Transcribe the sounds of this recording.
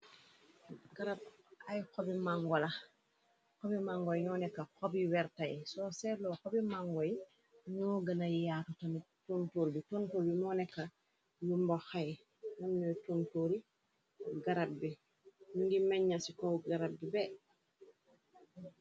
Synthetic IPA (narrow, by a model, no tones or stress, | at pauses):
ɡaɾab̚ | ʔajkobimaŋɡola | kobimaŋɡojɲɔnɛkːakobiwɛɾtajsoselokobimaŋɡoj | ɲɔɡɐnajjaːtutani | tontoːɾbitontoːlbimonɛkːa | jumboxaj | nonnotuntoːɾi | ɡaɾab̚bi | nuŋɡimeɲːasikowɡaɾab̚bibe